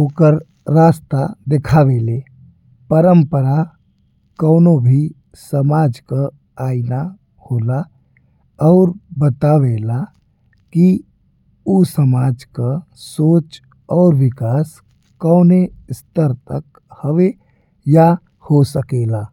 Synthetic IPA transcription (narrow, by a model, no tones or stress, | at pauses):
okəɾ | ɾaːst̪ad̪ekʰaʋele | pəɾəmpəɾa | kɔʊnobʱi | səmaːd͡ʒka | aːina | hoːla | ɔːɾbət̪aʋela | ki | usəmaːd͡ʒka | soːt͡ʃ | ɔːɾʋɪkaːs | kəʊnest̪əɾt̪ək | həʋe | ja | hosəkelaː